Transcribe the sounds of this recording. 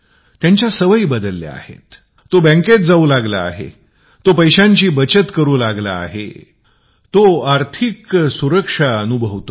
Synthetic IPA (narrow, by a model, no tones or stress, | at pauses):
t̪jãɲt͡ɕjasəʋəibəd̪əlːja̰a̰hḛt̪ː | obɛ̃ŋket̪̚d͡zauːlaɡla̰ːɦḛ | t̪opəjɕãɲt͡ɕiːbət͡ɕət̪kəɾuːlaɡla̰ːɦḛ | t̪oaɾt̪ʰiksuɾəkʂaənubʱəʋt̪o